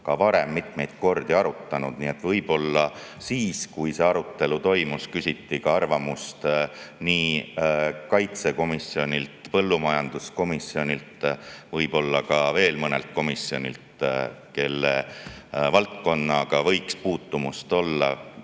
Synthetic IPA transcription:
kɑvɑɾe̞mːit̪me̞jd̪̥ko̞rd̪̥iɑɾut̪ːˑɑnud̪̥nie̞t̪vɤjb̥o̞lːɑ | siːskujse̞ɑɾut̪ˑːe̞lut̪o̞jmuskysʲit̪ːikɑɑrvɑmust̪niː | kɑjt̪se̞ko̞misjo̞nʲilt̪pɤ̞lːumɑjɑnd̪̥usko̞misːjo̞nʲilt̪vɤjb̥o̞lːɑkɑve̞ːlmɤne̞̰lt̪̚ko̞misio̞nʲḭlt̪ke̞lːe | vɑlt̪̚ko̞nːɑɡ̥ɑvɤ̞jkspuːt̪ːumust̪o̞lːɑ̰

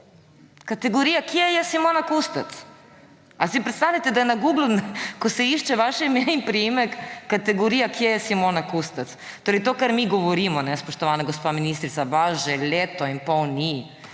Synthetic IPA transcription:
kat̪eɡoɾijakiɛjɛsimoːnakust̪at̪s | asipɾet̪st̪aʋnʲat̪ɛd̪ajenaɡuːɡlunkosɛiʃt͡ʃɛʋaʃɛimeimpɾiimɛkːat̪eɡoɾijakjejɛsimonakust̪at̪st̪oːɾɛjt̪oːkaɾmiɡoʋoɾimɔnɛspoʃt̪oʋaːnaɡospaminist̪ɾit̪sabaːʒɛlʲeːt̪oimpawni

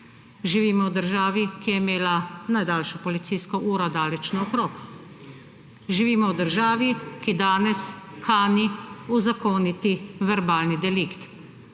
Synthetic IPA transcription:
ʒiʋiːmɔwd̪əɾʒaːʋikijɛimeːlanajd̪aːlʃɔpɔlit̪siːskɔʔuːɾɔd̪aːlɛt͡ʃnɔɔkɾoːk | ʒiʋiːmɔwd̪əɾʒaːʋikid̪aːnɛskaːniuzakoːnit̪iʋɛɾbaːlnid̪ɛlikt̪

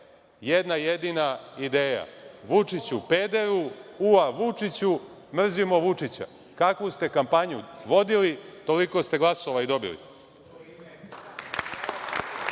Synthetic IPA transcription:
jed̪najed̪inaid̪e̞ːja̰ʋut͡ʂit͡ɕupe̞ːd̪eɾuuaʋut͡ʂit͡ɕu | mr̩zimo̞ʋut͡ʂit͡ɕa̰ | kakʋust̪e̞kampaɲuʋo̞d̪ilit̪o̞liko̞st̪e̞ɡlˠasoʋaid̪o̞bḭlḭ

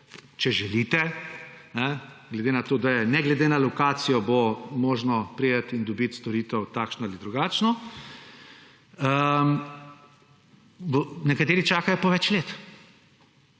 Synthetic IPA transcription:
t͡ʃɛʒɛliːt̪ɛnɛɡlɛd̪enat̪oːd̪ajɛnɛɡlɛd̪enalɔkaːt̪sijɔbomoːʒnɔpɾijət̪ind̪ɔbit̪st̪ɔɾiːt̪ɛwt̪aːkʃnɔalid̪ɾuɡaːt͡ʃnɔ | ə | nɛkat̪eːɾit͡ʃaːkajɔpɔʋɛt͡ʃleːt̪

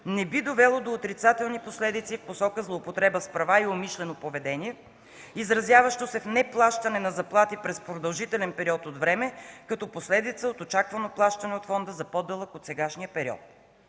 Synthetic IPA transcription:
nɛbid̪ovɛlˠod̪oːt̪ɾit̪sat̪ɛlˠniposlɛd̪it̪sifposɔkəzlˠoːpot̪ɾɛbəspɾɐvaiomiʃlɛnopovɛd̪ɛniɛ | izɾɐzjavɐʃt̪osɛfnɛplˠaʃt̪ɐnɛnɐzɐplˠat̪ipɾɛspɾod̪ɐlˠʒit̪ɛlɛnpɛɾiɔt̪od̪vɾɛmɛkɐt̪ɔposlɛd̪it̪səot̪ot͡ʃakvɐnoplˠaʃt̪ɐnɛot̪fɔnd̪əzɐpɔd̪ːɛlˠəkot̪sɛɡaʃnijəpɛɾiɔ̰t̪̚

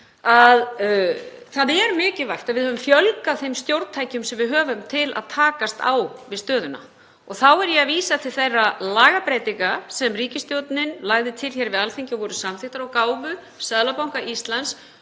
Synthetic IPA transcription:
að | θaðɛɾmʏːcɪvajht̪aðvɪðhœvʏɱfjœlkaθejmst̪jowɾt̪t̪ʰajcʏmsɛmvɪðɦœːvʏmt̪ʰɪlʔa̰ðt̪ʰaːkast̪a̰wvɪðst̪œːðʏna̰ | ɔɣθawɛɾjɛaðviːsat̪ʰɪlθejrːalaːɣapɾɛjt̪iŋkasɛmriːcɪst̪jowt̪nɪnlaɣðɪt̪ʰɪlçɛɾvɪðalθeɲcɪɔvɔːɾʏsamθɪht̪aɾawkaːwvʏ | saðlapawŋkaist̪lans

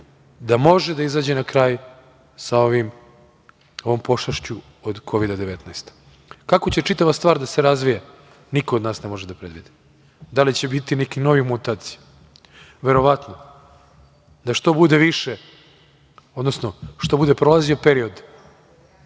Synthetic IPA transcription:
d̪amo̞ʒed̪aizaːd͡ʑenakɾaːj | sao̞ʋim | oʋo̞mpo̞ʃaʃt͡ɕu | od̪kʰo̞ʋid̪ad̪eʋet̪najst̪ | kakot͡ɕe̞t͡ʂit̪aʋast̪ʋaːɾd̪ase̞ɾazʋija | niko̞od̪naːsnemo̞ʒed̪apɾed̪ʋid̪i̥ | d̪alit͡ɕebit̪inekino̞ʋimut̪aːt̪si̥ja | ʋeɾo̞ʋat̪no̞ | d̪aʃt̪o̞bud̪e̞ʋiʃe | o̞d̪no̞snoʃt̪o̞bud̪e̞pɾolazio̞peɾio̞d̪

